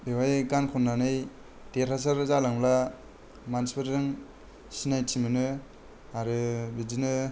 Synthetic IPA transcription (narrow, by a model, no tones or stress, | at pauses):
bewajɡankʰɔnːanɯj | teɾhas̬aɾzalaŋla | manspɯɾdɯŋ | sinajtʰimɯnɯ | aɾɯbidinɯ